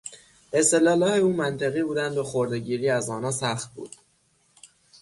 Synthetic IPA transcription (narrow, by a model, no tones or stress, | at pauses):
ʔe̞st̪e̞lɒːlɒːheuːmænt̪ʰeɣiːbuːd̪ænd̪boxoɾd̪eɟiːɾiːæzɒːnɒːsæxt̪̚bṵːd̪̥